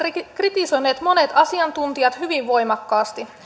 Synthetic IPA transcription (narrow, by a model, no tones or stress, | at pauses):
krit̪iso̞jneːt̪mo̞ne̞t̪ɑsiɑnt̪unt̪iɑt̪hyʋiʋʋo̞jmɑkːɑːst̪i